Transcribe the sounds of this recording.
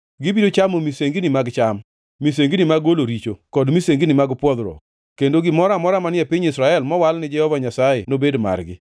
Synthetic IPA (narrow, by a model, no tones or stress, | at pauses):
ɡɪbidot͡ʃamomiseŋɡinimaɡt͡ʃam | mis̬eŋɡinimaɡoloɾit͡ʃokɔdmiseŋɡinimaɡpwɔd̪ɾɔ̰ | kendoɡɪmɔɾamɔɾamanɪɛpiɲisɾaɛlmɔwalnɪd͡ʒɛhɔvaɲasajḛnobedma̰rɡɪ̰